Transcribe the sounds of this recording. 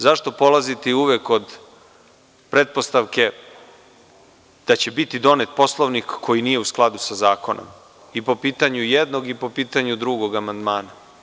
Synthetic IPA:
zaʃt̪o̞po̞lˠazit̪eiuʋeko̞d̪ | pɾe̞t̪̚po̞st̪aʋke̞ | d̪̥at͡ɕe̞bit̪id̪o̞net̪̚po̞slˠoʋnikːo̞jiniːje̞usklˠad̪usazaːko̞no̰m | ipo̞piːt̪aɲujed̪no̞ɡipo̞piːt̪aɲud̪ɾuɡo̞ɡamand̪maːna

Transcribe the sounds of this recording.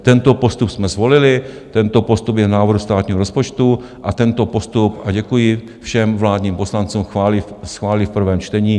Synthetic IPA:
t̪ɛnt̪opo̞st̪upsmɛzvo̞lɪlɪ | t̪ɛnt̪opost̪upjɛnaːvr̩hust̪aːt̪ɲiːɦoo̞spo̞t͡ʃt̪u | ʔat̪ɛnt̪o̞po̞st̪upʔaɟɛkujɪ | fʃɛmvlaːd̪ɲiːmposlant͡suːmxaːlɪsxvaːlɪfpr̩vɛːmt͡ʃt̪ɛɲiː

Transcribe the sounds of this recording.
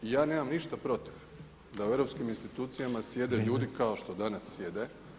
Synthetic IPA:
ijaːne̞ːmamniʃt̪apɾo̞t̪i̥ʋ | d̪aue̞ɾo̞pskiminst̪it̪uːt̪sijamasje̞d̪eʎuːd̪ikaoʃt̪o̞d̪anasːje̞d̪e

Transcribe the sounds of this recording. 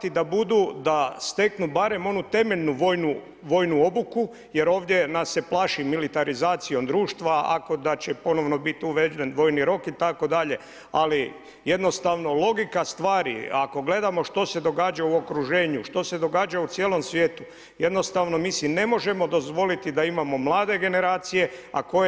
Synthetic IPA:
t̪id̪abud̪ud̪ast̪e̞knubaɾe̞mo̞nut̪e̞me̞ʎnuʋo̞ːjnu | ʋo̞jnuo̞buku | je̞ɾo̞ːʋd̪jenasːe̞plˠaːʃimilit̪aɾizaːt̪sijo̞md̪ɾuːʃt̪ʋaa̰ko̞d̪at͡ɕepo̞no̞ʋno̞bit̪uʋed͡ʒd̪enʋo̞ːjniɾo̞kit̪ako̞d̪aʎe̞ | ali | je̞d̪nost̪aʋno̞lˠo̞ɡikast̪ʋaːɾḭako̞ɡle̞d̪amo̞ʃt̪o̞se̞d̪o̞ɡaːd͡ʒauo̞kɾuʒe̞ːɲuʃt̪o̞se̞d̪o̞ɡaːd͡ʒaut̪sjelˠo̞msʋje̞ːt̪u | je̞d̪no̞st̪aːʋno̞miːsine̞mo̞ʒe̞mo̞d̪o̞zʋo̞lit̪id̪aimamo̞mlˠaːd̪e̞ɡe̞ne̞ɾaːt̪sije̞a̰ko̞je

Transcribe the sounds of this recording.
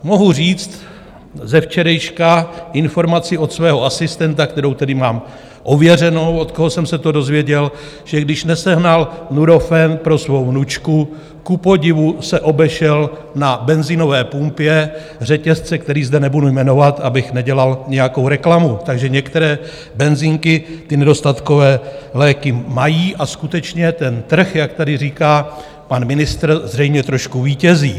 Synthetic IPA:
mo̞ɦur̝iːt͡st̪ | zɛft͡ʃɛɾɛjʃkaʔɪnfo̞ɾmat͡sɪʔo̞t̪svɛːɦo̞asɪst̪ɛnt̪akt̪ɛɾo̞wt̪ɛdɪmaːm | ʔo̞vjɛr̝ɛno̞wo̞t̪koɦosɛmsɛt̪o̞do̞zvjɛɟɛl | ʒ̥ɛɡdɪʃnɛsɛɦnalnuɾo̞fɛnpɾo̞svo̞wvnut͡ʃku | kupo̞ɟɪvusɛʔo̞bɛʃɛl | nabɛnzino̞vɛːpumpjɛ | r̝ɛcɛst͡sɛk̚t̪ɛɾiːzdɛnɛbudujmɛno̞vat̪ʔabɪxnɛɟɛlalɲɛjako̞wɾɛklamut̪aɡʒɛɲɛkt̪ɛɾɛː | bɛnziːŋkɪt̪ɪnɛdo̞st̪at̪ko̞vɛːlɛːkɪmajiːʔaskut̪ɛt͡ʃɲɛt̪ɛnt̪r̩xjak̚t̪adɪriːkaː | panmɪnɪst̪ɾzrɛjmɲɛt̪ɾo̞ʃkuviːcɛziː

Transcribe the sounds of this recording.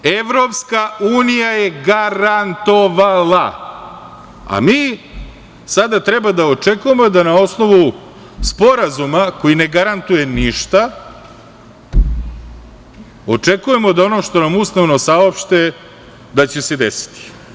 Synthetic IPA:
eʋɾo̞pskauːnijajeɡaɾant̪o̞ʋalˠa | a̰miː | sad̪at̪ɾe̞bad̪aot͡ʂe̞kuje̞mo̞d̪anao̞sno̞ʋu | spo̞ɾazumako̞jine̞ɡaɾant̪uje̞niʃt̪a | o̞t͡ʂekuje̞mo̞d̪ao̞noʃt̪o̞namusnaʋnosao̞pʃt̪e | d̪at͡ɕe̞sed̪esi̥t̪i̥

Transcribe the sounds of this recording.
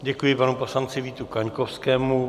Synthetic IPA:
ɟɛkujɪpanupo̞slant͡sɪviːt̪ukaɲkofskɛːmu

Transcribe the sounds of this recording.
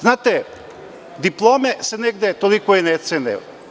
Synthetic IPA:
znat̪e | d̪iplˠomɛsenɛɡd̪ɛt̪olikoinɛt̪sɛnɛ̰

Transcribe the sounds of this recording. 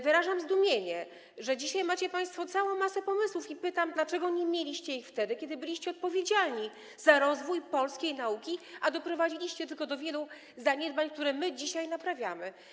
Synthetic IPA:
vɘɾaʐamzd̪umʲjeɲɛ | ʐɛd͡ʑiɕajmat͡ɕɛpaj̃st̪fɔt̪sawɔ̃w̃masɛpɔmɘswufipɘt̪amd̪lat͡ʂɛɡɔɲemʲjelʲiɕt͡ɕɛjift̪ɛd̪ɘkʲɛd̪ɘbɘlʲiɕt͡ɕɛɔt̪̚pɔvʲjed͡ʑalɲi | zaɾɔzvujpɔlskʲejnaukʲiad̪ɔpɾɔvad͡ʑilʲiɕt͡ɕɛt̪ɘlkɔd̪ɔvʲjɛlu | zaɲɛd̪̚baɲk̚t̪uɾɛmɘd͡ʑiɕajnapɾavʲjamɘ

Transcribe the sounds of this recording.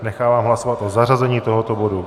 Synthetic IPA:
nɛxaːvaːmɦlasovat̪ʔo̞zarazɛɲiːt̪o̞ɦot̪obo̞du

